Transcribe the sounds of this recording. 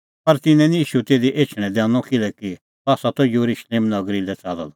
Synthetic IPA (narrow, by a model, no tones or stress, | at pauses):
pɐɾt̪ɪnɛ̃niiːʃut̪eːd̪iʔeːt͡ʃʰɽ̃ɛ̃d̪ɛ̃ːnɔ̃kɪlɛki | aːsat̪ɔjuɾuʃleːmnɐɡɾilɛt͡saːd̪a̰l